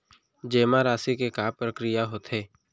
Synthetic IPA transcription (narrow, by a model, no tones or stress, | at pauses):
d͡ʒeːmaɾaːsikekaːpɾəkɾɪjaɦoːt̪ʰeː